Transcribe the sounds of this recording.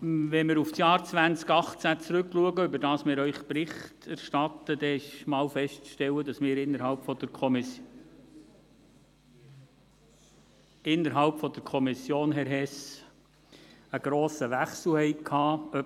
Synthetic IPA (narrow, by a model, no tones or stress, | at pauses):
ʋɛmɪɾufsjɑːɾt͡sʋænt͡skɑχt͡sæt͡sɾʏkluəɡəʏbəɾd̥ɑːsmɪːɾœʏχpɾɪχtæɾʃtɑt̪əd̥̪ɛɪʃmɑːlfɛʃtt͡sʃtɛlːədɑsmɪːɾɪnːəɾhɑlpfɔd̪̥əkʰɔm | ɪnːəɾɦɑlpfɔd̪əɾkʰɔmɪsjoːnɦɛɾɦɛs | əɡ̥ɾoːsəʋæχsl̩hɛɪkʰɑːœ